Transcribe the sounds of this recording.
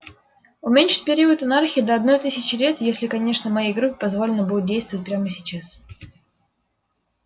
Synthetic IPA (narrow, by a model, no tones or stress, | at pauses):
ʊmʲenʲʂɨ̥t̚ʲpʲɪɾʲiʊət̪ɐnarxʲɪd̪əɐd̪no̞jt̪ɨsʲɪt͡ɕɪlʲe̞t̪jesʲlʲɪkɐnʲe̞ʂnəmɐjejɡɾupʲɪ̥pɐzvolʲɪnəbudʲʊt̪̚dʲejst̪vət̚ʲpʲɾʲaməsʲɪt͡ɕas